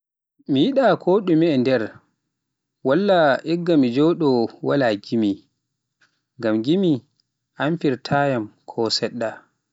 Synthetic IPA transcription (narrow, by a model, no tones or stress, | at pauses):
mijiɗakʰɔːɗumɛːndɛɾ | walːaʔɛɡːamid͡ʒɔɗɔwalaɡimi | ŋɡamɡimi | ʔanfiɾtʰaːjamkʰɔsɛɗːa